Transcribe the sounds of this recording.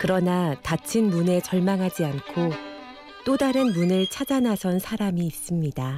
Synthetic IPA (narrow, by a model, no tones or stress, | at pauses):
kɯɾʌnatat͡ɕʰɯnmune̞t͡ɕʌɭmaŋɦad͡ʑiankʰo | t͈odaɾɯnmunɯɭt͡ɕʰad͡ʑanasʰʌnsʰaɾamiːs͈ɯmɲida